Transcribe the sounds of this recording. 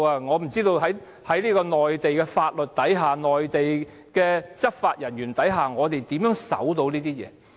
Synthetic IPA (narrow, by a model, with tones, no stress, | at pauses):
aː˧ŋɔː˨˧m̩˨˩t͡siː˥t̪o˧wɦɐ˨˥j | hɐ˨˥jliː˥kɔː˧nɔː˨˩jt̪e˨jkɛː˧faː˧t̚lɵ˨t̚t̪ɐ˨˥jɦaː˨nɔː˨jt̪e˨j | kɛː˧t͡sɐ˥k̚faː˧t̚jɐ˨˩njyː˨˩nt̪ɐ˨˥jɦaː˨ŋɔː˨˧t̪e˨jt̪iː˨˥mjœː˨˥ŋsɐ̰˨˥wt̪o˧wniː˥t̪iː˥jɛ̰ː˨˧